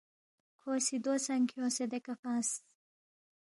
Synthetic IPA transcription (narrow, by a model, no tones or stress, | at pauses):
kʰosid̪osɐŋkʰjõːsed̪ekɐfãːs